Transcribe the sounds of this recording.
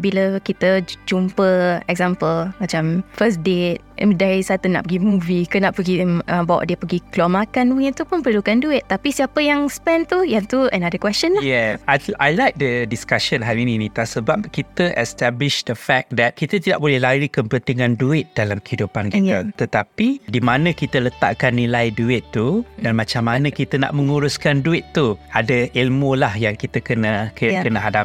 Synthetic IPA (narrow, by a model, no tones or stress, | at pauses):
biləkit̪əd͡ʒumpəɛk̚zãmpəlmat͡ʃamfəsdet̪̚mdaɾisat̪una̰ʔpəɡimuvikənaʔpəɡiʔəbawa̰ʔdiəpəɡikluamakanwit̪upʊnpərlukanduɪt̪̚t̪ːapisiapəjaŋspɛnt̪ujant̪uʔənadəkwɛst͡ʃə̃nlajɛajajlajk̚dədiskaʃənɦamɛ̃ninit̪asəbap̚kit̪əʔɛst̪ablɪʃdəfɛk̚d̪ɛt̪̚kit̪ət̪ida̰ʔ̚bolɛhlaɾikəmpənt̪iŋãnduɪt̪̚d̥alamkəhidupankit̪ət̪ət̪apidimãnə̃kit̪ələt̪a̰ʔkanːilajduɪt̪ːudanmãt͡ʃamːanãkit̪əna̰ʔmə̃ŋuɾuskanduɪt̪ːuadəʔilmũlahjaŋkit̪əkənakkənaɦadap